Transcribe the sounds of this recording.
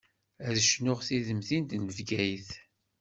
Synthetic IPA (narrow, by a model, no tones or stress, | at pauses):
æðəʃnʊʁθiðəmθind̪nəvɡæjθ